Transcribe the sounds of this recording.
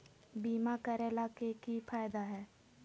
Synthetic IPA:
biːmakəɾeːlakekifʰaːjd̪aɦɛː

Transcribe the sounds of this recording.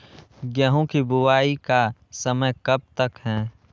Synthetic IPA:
ɡjɛɦõkibʊwaːikasɐməjkɐb̚t̪ɐkɦɛ̃ː

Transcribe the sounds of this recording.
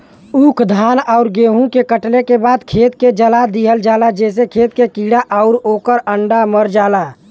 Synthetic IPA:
ukʰd̪ʱaːnaʊɾɡeːɦũkekəʈlekebaːd̪kʰeːt̪ked͡ʒəlad̪iɦəld͡ʒaːlad͡ʒɛːs̬ekʰeːt̪kekiɽaʔaʊɾoːkəɾəɳɖaməɾd͡ʒaːla

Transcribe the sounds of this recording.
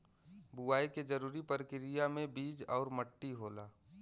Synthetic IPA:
buaːiked͡ʒəɾuːɾipəɾkɪɾijamẽbiːd͡ʒɔːɾməʈːiɦoːlaː

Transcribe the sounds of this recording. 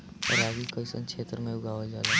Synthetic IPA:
ɔ̰ɾaːɡikoɪsə̰nt͡ʃʰeːt̪ɾmẽʊɡaːʋad͡ʒaːle

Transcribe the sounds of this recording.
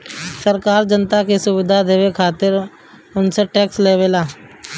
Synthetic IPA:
səɾkaːɾd͡ʒənt̪akesʊwɪd̪ʱad̪eːwekʰaːt̪ɪɾ | ʊnseʈɛːksleːʋeːlaː

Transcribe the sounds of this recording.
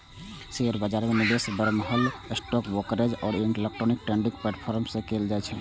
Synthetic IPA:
seəɾbəd͡ʒaɾmenid̪esbəɾməɦəlesʈɔkbokəɾed͡ʒɔːɾeŋelek̚ʈɾonik̚ʈɾeɳɖik̚pleʈpʰɔɾmsẽkeld͡ʒajt͡ʃʰɛ

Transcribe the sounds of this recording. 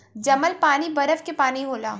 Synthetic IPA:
d͡ʒɐməlpaːnibɐɾəfkepaːniɦoːlaː

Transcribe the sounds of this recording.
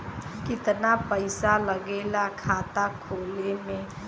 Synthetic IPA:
kɪt̪napəɪsaləɡeːlakʰaːt̪akʰoːlemẽ

